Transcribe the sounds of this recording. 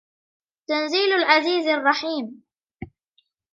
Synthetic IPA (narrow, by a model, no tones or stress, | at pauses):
t̪anziːlalʕaziːzɑrˤːɑħiːm